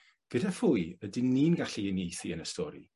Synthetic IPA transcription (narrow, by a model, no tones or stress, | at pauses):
ɡ̥ədafʊjədiniːnɡaɬiənejθiənəstɔːɾḭ